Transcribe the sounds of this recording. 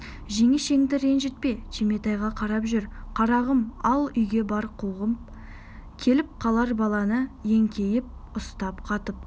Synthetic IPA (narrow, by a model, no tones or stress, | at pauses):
ʒe̞ŋɪʃe̞ŋd̪ɪɾenʒet̪̚pe̞t͡ʃʰeme̞t̪ɑjʁɑqʰɑɾɑpʒʏɾqʰɑɾɑʁəmɑlˠʏjɡʲe̞bɑɾqʰuʁəm | kʲʰe̞lɪp̚qʰɑlˠɑɾbɑlˠɑnəe̞ŋkʲʰe̞jɪp̚ʊst̪ɑpqʰɑt̪əp̚